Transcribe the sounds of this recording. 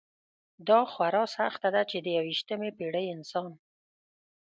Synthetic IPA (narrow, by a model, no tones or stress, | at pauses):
d̪ɑxwaɾɑsaxt̪ad̪at͡ʃed̪əjawiʃt̪əmepeɽəjɪnsɑn